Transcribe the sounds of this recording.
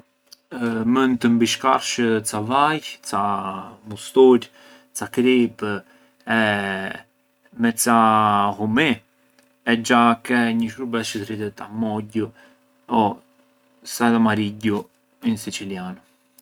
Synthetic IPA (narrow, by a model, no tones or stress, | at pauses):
mənt̪əmbiʃkaɾʃət͡savajt͡samust̪uɾ | t͡sakɾip | ɛ | mɛt͡saɦumi | ɛd͡ʒakɛɲəʃubɛʃət̪ɾit̪ɛt̪amɔɟu | ɔ | saðamaɾiɟu | insit͡silian